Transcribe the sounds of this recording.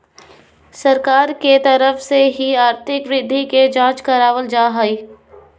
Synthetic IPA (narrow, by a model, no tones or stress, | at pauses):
sɐɾkaːɾket̪ɐɾəfseɦiaːɾt̪ʰɪkʋɾɪd̪ʱːiked͡ʒãːt͡ʃkɐɾaːʋəld͡ʒaːɦai